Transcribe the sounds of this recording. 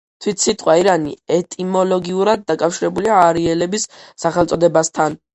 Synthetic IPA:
t̪ʰwit̪ʰsit̪ʼqʼwaiɾanḭɛt̪ʼimɔlɔɡiuɾad̪̚ːakʼafʃiɾɛbuliaːɾiɛlɛbisːaχɛlˠt̪sʼɔd̪ɛbast̪ʰan

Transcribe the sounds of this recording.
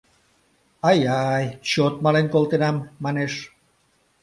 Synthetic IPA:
ɑjɑjɕot̪̚mɑlenkolt̪enɑmːɑneʃ

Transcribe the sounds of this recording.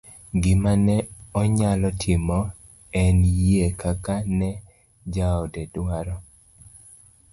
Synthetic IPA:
ɡɪmanɛɔɲalɔtʰɪmɔ | ɛnjekakanɛ | d͡ʒaɔdɛdwaɾɔ

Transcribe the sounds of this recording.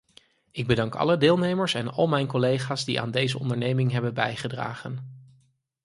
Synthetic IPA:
ɪɡ̚bədɑŋkɑ̰lədɪːlˠnejməɹsɛnɑ̰lˠmɛjnkɔlejχaːzdḭʔa̰ːndejzəɔ̰ndəɹnejmɪŋɦɛbənbɛjχədra̰ːχən

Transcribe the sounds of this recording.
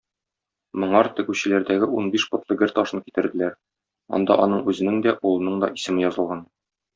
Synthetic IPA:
mŏɴɑɾt̪ɘ̆ɡʉɕɘ̆læɾd̪æɡɘʔunbiʃpŏt̪lˠɤɡɘɾt̪ɒʃɤnkit̪ɘ̆ɾd̪ɘ̆læɾ | ɒ̰nd̪ɑ̰ʔɒnɤɴʉzɘ̆nɘŋd̪æʔulˠɤ̆nɤɴd̪ɒʔisɘ̆mɘjɒzɤ̆lˠʁɑn

